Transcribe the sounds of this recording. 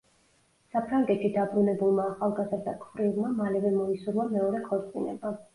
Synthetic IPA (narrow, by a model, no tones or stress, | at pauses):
sapʰɾaŋɡɛt̪ʃid̪abɾunɛbulˠmaːχalˠɡazɾd̪akʰχɾilˠmamalɛvɛmɔisuɾlˠamɛɔɾɛkʰɔɾt̪sʼinɛba